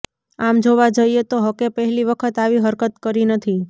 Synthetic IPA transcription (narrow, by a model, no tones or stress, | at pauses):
amd͡ʒoʋad͡ʒəiet̪oɦəkepəɦɛliʋəkʰət̪aʋiɦəɾkət̪kəɾinət̪ʰi